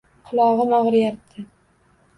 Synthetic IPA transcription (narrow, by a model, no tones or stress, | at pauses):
qʰʊlˠɒʁɨnɒʁɾjaɾt̪ʰːɪ